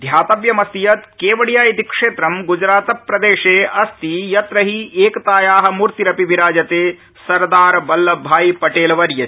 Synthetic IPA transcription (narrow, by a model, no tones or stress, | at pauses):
d̪ʱjaːt̪ɐʋjɐmɐst̪ijɐt̪keːʋɐɽjaːjit̪ikʂeːt̪ɾɐmɡud͡ʒɾaːt̪ɐpːɾɐd̪eːʂeːʔɐst̪ijɐt̪ɾɐɦieːkɐt̪aːjaːɦɐ̆muːɾt̪iɾɐpibiɾaːd͡ʒɐt̪eː | sɐɾd̪aːɾɐbɐlːɐbʱaːjipɐʈeːlɐʋɐɾjɐ